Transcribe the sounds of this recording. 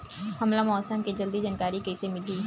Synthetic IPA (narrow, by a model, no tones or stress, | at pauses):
hɐmlamɔːt̪səmked͡ʒɐld̪id͡ʒənkaːɾikesemɪli